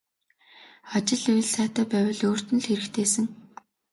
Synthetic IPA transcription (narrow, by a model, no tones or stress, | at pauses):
at͡ɕɪ̆ɮuj̆ɮsæːt̪æːpæːwʲɪ̆ɮoːr̥t̪ɘ̆nɮxeɾɘ̆kt̪ʰeːsɘ̆ŋ